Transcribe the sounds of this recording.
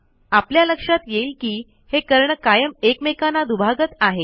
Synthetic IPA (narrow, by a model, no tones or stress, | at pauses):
apljaləkʂat̪jeiːlkiː | hekəɾɳəkajəmekmekanad̪ubʱaɡət̪aɦe